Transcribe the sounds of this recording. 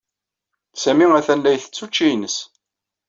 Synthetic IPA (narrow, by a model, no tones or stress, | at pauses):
sæmiæθænlæjθə̥t͡sːut͡ʃːijnəs